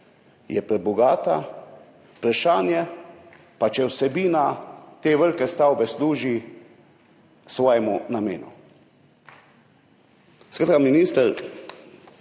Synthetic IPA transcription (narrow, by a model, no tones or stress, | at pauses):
jɛpɾɛbɔɡaːt̪a̰ | pɾaʃaːnjɛ | pat͡ʃɛwsɛbiːnat̪eːʋəɾkɛst̪awbɛsluːʒi | sʋɔːjɛmunameːnṵ | skɾaːt̪kaminiːst̪əɾ